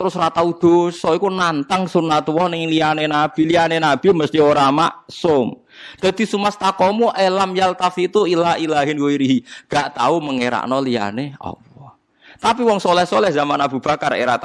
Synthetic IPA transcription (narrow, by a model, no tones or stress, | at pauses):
t̪əɾʊsrat̪aud̪̥osɔikunant̪aŋsunat̪uwɔhnɪŋlijanenab̥i̤lianenab̥i̤məst̪ioɾama̰ʔsʊm | d̪̥a̤d̪̥i̤sumast̪akɔmuʔelamjalt̪afit̪uilaɦilaɦɪnɡoiɾiɦiŋɡ̥aʔt̪auməŋeɾa̰ʔnɔlia̰neɔ̰wɔ | t̪apiwɔŋsolɛhsolɛhzamanab̥ṳb̥a̤karḛɾa̰ʔt̪